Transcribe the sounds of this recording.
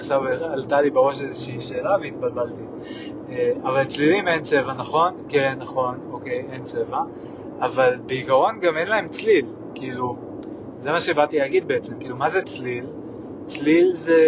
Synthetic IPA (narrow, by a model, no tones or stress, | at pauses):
ʃavalt̪alibeʁo̞ʃezeʃiːʃe̞ːlaveit̪balbalt̪i | eavalt͡slilime̞nt͡se̞vanaχo̞nkenːaχo̞no̞ke̞je̞nt͡se̞vaː | valbeikaʁo̞nɡame̞nlae̞mt͡slil | kiːlu | zemaʃe̞baʁt̪iaɡid̪̚beet͡se̞mkiːlumazet͡slil | t͡slilze